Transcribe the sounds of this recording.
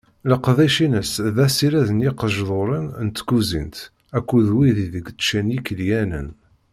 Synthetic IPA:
ləqðæjʃinəsðæsiɾæðənjɪqəʒðˤoɾˤinnt̪ɡuzḭnt̪ | ækʷːuðwiðiðəɡt͡sːʃænjikːəljænə̰n

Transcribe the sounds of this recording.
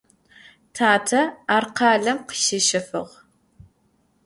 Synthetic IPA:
tʰaːtʰɐaːrqɑːɮɐmqə̥ʃɪʃɐfɨʁ

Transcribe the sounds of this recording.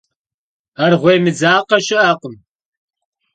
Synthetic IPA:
arʁʷejmɨd͡zaːqɐʃɪʔaːqʷʊm

